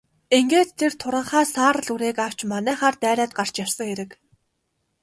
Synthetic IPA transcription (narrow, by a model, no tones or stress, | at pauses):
eŋɡeːt̪ʰːert̪ʰʊɾʁə̆ɴχaːsaːɾə̆ɮuɾeːkaw̥t͡ɕmanæːχaːrt̪æːɾʲæːt̪̚ɢar̥t͡ɕjawsə̆ŋxeɾɘ̆k